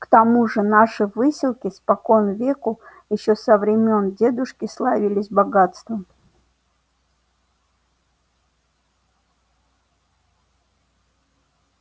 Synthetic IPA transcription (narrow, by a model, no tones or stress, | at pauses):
kt̪ɐmuʐɨnaʂɨvɨsʲɪlˠkʲɪspɐkonvʲekʊ | jɪɕːo̞səvɾʲɪmʲo̞ndʲe̞d̪ʊʂkʲɪslˠavʲilʲɪsʲbɐɡat̪st̪vəm